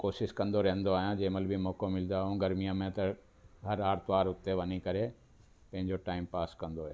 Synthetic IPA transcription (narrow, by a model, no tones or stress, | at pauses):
koːʃɪskɐ̃nd̪oɾɐɦə̃nd̪oaːɦijãd͡ʑeːməlbʱimɔːkomɪld̪aːɦjũɡɐɾmijamẽt̪ɐ | ɦɐɾaːɾt̪ʋaːɾʊt̪eʋɐnikɐɾe | pɐ̃ɦɪ̃ɲd͡ʑoʈaːɪmpaːskɐ̃nd̪oɦeː